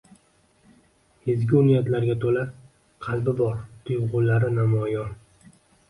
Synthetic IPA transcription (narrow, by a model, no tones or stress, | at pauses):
hezɡʲɪʊnijat̪laɾɡʲat̪ʰola | qʰɑlbɪbɒɾt̪ʰʊjʁʊlːaɾɪnamɒjɒn